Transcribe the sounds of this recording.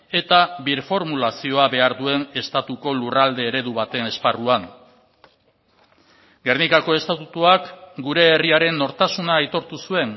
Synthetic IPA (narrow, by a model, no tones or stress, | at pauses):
e̞t̪aβiɾfo̞ɾmulasio̞aβe̞aɾðue̞ne̞st̪at̪uko̞lurald̪e̞ːɾe̞ðuβat̪e̞ne̞sparuan | ɡe̞rnikako̞e̞st̪at̪ut̪uakɡuɾe̞ːriaɾe̞nːo̞ɾt̪asunaːjt̪o̞ɾt̪usue̞ŋ